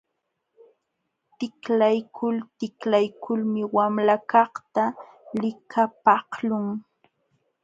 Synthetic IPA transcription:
t̪ɪklajkʰʊlt̪ɪklajkʰʊlmɪwamlakɑχt̪a | lɪkʰapɑhlʊŋ

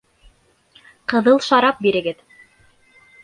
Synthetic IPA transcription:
qɤ̆ðɤlˠʃɑɾɑp̚biɾɘ̆ɡɘð

